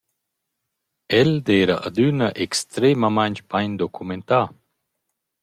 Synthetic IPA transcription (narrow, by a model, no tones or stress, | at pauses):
ɛld̪ɛːɾɐʔad̪ynɐʔɛkst̪ɾemamaɲt͡ʃbaɲd̪okʰument̪aː